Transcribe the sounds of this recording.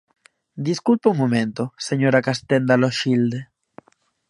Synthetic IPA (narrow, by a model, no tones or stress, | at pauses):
d̪iskulpeuŋmomẽnt̪oseɲoɾakast̪end̪aloʃild̪e